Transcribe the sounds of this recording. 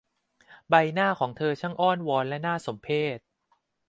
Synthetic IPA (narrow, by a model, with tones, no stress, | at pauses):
ba˧jnaː˥˩kʰɔː˩˦ŋt̪ʰɤː˧t͡ɕʰa˦˥˩ŋʔɔː˥˩nwɔː˧nlɛ˦˥naː˥˩so˩˦mpʰeː˥˩t̪̚